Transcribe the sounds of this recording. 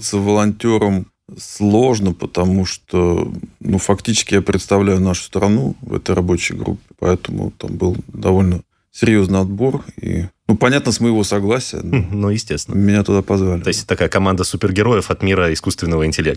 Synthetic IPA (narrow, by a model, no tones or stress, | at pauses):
t̪səvəlˠɐnʲtʲoɾəm | slˠo̞ʐnəpət̪ɐmuʂt̪onufɐktʲit͡ɕɪ̥skʲɪjapɾʲɪt̪st̪ɐvlʲæjʊnaʂʊ̥st̪ɾɐnuvɛ̰t̪əjɾɐbo̞t͡ɕɪ̰jɡɾṵpʲːɪ̥pɐ̰ɛt̪əmʊ̰t̪a̰mbɨlˠd̪ɐvolʲnə | sʲɪɾʲjo̞znɨjɐd̪̚bo̞rḭnupɐnʲat̪nəsməjɪvo̞sɐɡlˠasʲɪjə̰nnojɪsʲtʲesʲɪnmʲɪnʲat̪ʊd̪apɐzvalʲɪosʲtʲt̪ːɐkajəkɐmand̪əsupʲɪrɡʲɪɾo̞jəfɐt̪mʲiɾəɪskust̪vʲɪnːəvəɪnʲtʲɪlʲek̚